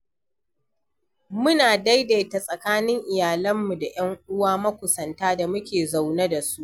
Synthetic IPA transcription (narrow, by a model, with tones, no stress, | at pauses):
mʊ˦naː˨da˦jda˨jta˨sʼɐ˨kaː˦nɪ˦ŋʔɪ˨jaː˨lɐ˦mːu˨da˨j̰ɐ˦ŋʔʊ˦waː˦mɐ˦kʷʊ˨sɐ˨ntaː˦da˨mʊ˦kʲeː˨za˨wnɐ˦da˨su˦ʔ